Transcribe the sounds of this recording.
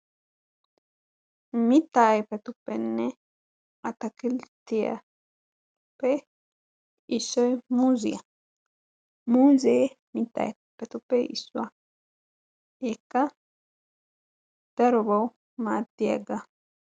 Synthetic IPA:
mɪt̪ːaːjpɛt̪ʊpːɛnːɛ | ɐt̪ɐkɪlt̪ɪjɐ̰ | pːɛ | ɪsːɔjmuːzɪjɐ | muːzeː | mɪt̪ːa̰ːj | pɛt̪ʊpːɛɪ̰sːʊa | ɛkːɐ | d̪̥ɐɾɔbɐw | maːd̪ɪjɐ̰ɡɐ

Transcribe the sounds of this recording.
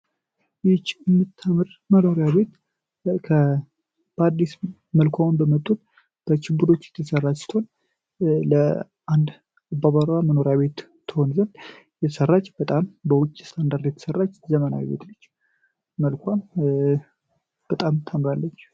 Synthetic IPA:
jɪt͡ʃːɨmːɨt̪ʰːəmɨɾməno̞ɾjaβe̞t̪ | kʰə | b̥əad̪ːis | məlkʰʷawnbəmət̪ʼːul | b̥ət͡ʃɪbːuɾo̞t͡ʃːɛt̪ʰəsərːat͡ʃsi̥t̪hon | lə | ʔand̪ | abaβaɾaməno̞ɾjaβe̞t̪ʰː | əhonzən | jɛt̪ʰə̥sərːat͡ʃːbət̪ʼambəwʊt͡ʃʼːist̪ʰand̪aɾd̪jɛt̪ʰə̥sərːat͡ʃːzəməna̰wḭbḛt̪lɨt͡ʃː | məlkʰʷam | b̥ət̪ʼamt̪ʰːəmɾalːət͡ʃː

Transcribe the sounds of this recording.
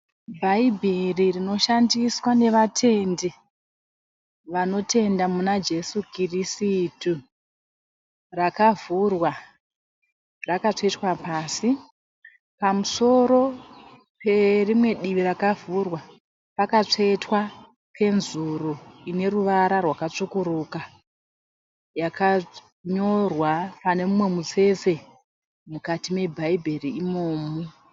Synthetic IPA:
bʱaibʱiririno̞ʃandiswane̞ʋatʰe̞nde | ʋano̞te̞ndamunad͡ʒe̞sukrisitu | rakavurwa | rakat͡ʂoetwapaːsi | pamuso̞ɾo̞ | pe̞rimwe̞ɗiʋirakavurwa | pakat͡ʂetwa | pʰe̞nzuruine̞ruʋaɾarwakat͡ʂokuɾuka | jaka | ɲo̞rwapane̞mumwe̞mut͡se̞se̞ | mukatime̞bʱaibʱeriimoːmu

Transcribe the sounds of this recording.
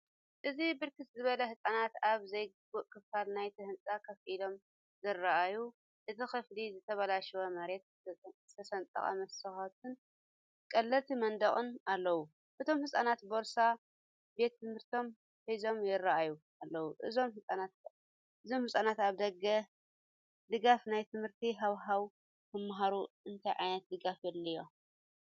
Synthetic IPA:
ʔɨzibɨɾkʰɨt̪zɨβɐlɐhɨsʼanat̪aβzɐjɡɨbuʔkʰɨfalnajt̪ʰɨhɨnt͡sʼakʰɐfʔilo̞m | zɨraʔaju | ʔɨt̪ʰixɨflizɨt̪ʰɐβɐlaʃwomɐɾe̞t̪̚ | ɨt̪ʰɐsɐnt̪ʼɐ̰χʼɐ̰mɐsɐxɐt̪ʰɨn | kʼɐlːɐt̪ʰimɐnd̪ɐχʼɨnalːɐwu | ʔɨt̪ʰo̞mhɨsʼanat̪bo̞ɾsa | be̞t̪ːɨmhɨɾt̪ʰo̞m | ħizo̞mjɪrːaʔaju | alːɐwuʔɨzo̞mhɨsʼanat̪ | ɨzo̞mhɨsʼanat̪aβd̪ɐɡɐ | d̪ɨɡafnajt̪ʰɨmhɨɾt̪ʰiɦawɦaw | kʰɨmːaɦaɾuʔɨnt̪ʰajʕajnɐt̪̚d̪ɨɡafjɛlːɨjo

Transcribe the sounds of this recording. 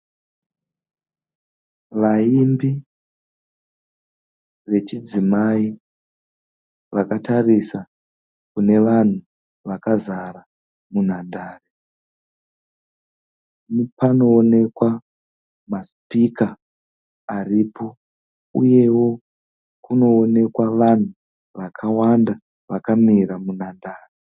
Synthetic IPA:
ʋaimbi | ʋe̞t͡ʃid͡zimai | ʋakatarisa | kune̞ʋan̤u | ʋakazaɾa | mun̤adʱaːre | nipano̞ːne̞kwa | maspikaː | ripo̞ | ṵje̞wo̞ | kuno̞ːne̞kwaʋan̤u | ʋakʰawanda | ʋakamiɾamun̤andaːre

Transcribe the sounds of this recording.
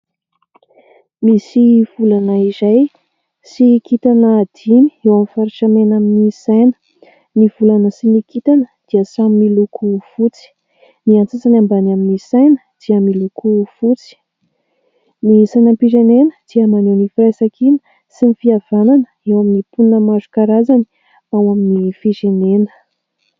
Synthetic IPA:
misiv̥ulanəizaj | sikit̪anəd̪̥ini̥ewamfaɾiʃamenaminisajnə̥ | nivulanəsinikit̪anəd̪̥iəsamimilukufut͡si̥ | niant͡sat͡sanambanaminisajnə̥d̪̥iəmilukufut͡si̥ | nisajnəpiʒenenə̥d̪̥iəmanenifɾajsakinə̥ | sinifiav̥ananəewaminipunəmazukaɾazani̥ | awaminifiʐenenə̥

